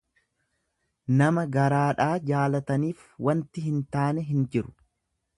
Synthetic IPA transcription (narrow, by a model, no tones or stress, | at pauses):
nɐmɐɡɐɾaːᶑaːd͡ʒaːlɐt̪ɐniːf | wɐnt̪ɪɦɪnt̪aːnɛɦɪnd͡ʒɪɾʊ̥